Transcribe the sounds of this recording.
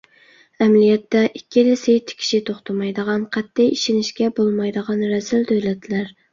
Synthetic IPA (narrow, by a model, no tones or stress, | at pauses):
ɛmlijɛt̪ːɛʔikʲːilɪsɪjt̪ʰɪ̥kʲʰi̥ʃit̪ʰoχt̪ʰɑmɑjd̪əʁɑnqʰɛt̪ːɪjiʃɪnɪʃkʲɛbolˠmɑjd̪əʁɑnɾɛsɪld̪øwlɛt̪ʰlæɾ